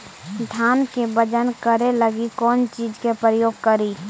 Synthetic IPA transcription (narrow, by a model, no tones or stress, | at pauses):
ɖʱaːnkebəd͡ʒənkəɾeləɡikɔːnt͡ʃiːd͡ʒkepɾəjoːɡ̚kəɾiː